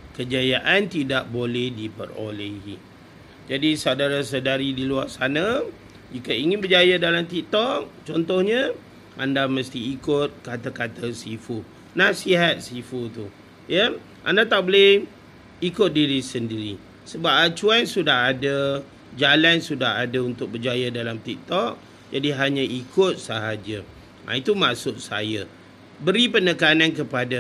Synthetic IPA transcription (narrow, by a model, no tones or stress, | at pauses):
kəd͡ʒajaʔant̪idaʔ̚bolɛhdipə̰ro̰lehḭ | d͡ʒadisawdaɾas̬ədaɾidiluarsana | d͡ʒikəiŋɪnbəd͡ʒajadalamt̪ik̚t̪ɔk̚t͡ʃɔnt̪ɔhɲə̃ | ʔandaməst̪iːkʊt̪̚kat̪akat̪əsifu | nasiɦat̪̚sifut̪u | jə | ʔa̰ndat̪abolɪh | ikʊt̪̚diɾisəndiɾi | səbap̚at͡ʃuansudaɦadə | d͡ʒalansudaɦadaunt̪ʊk̚bəd͡ʒajadalamt̪ik̚t̪ɔk̚ | d͡ʒadiɦaɲə̃ʔikʊt̪̚səɦad͡ʒə | a̰it̪umaʔsʊt̪̚sa̰jə | bəɾipənəkanankəpada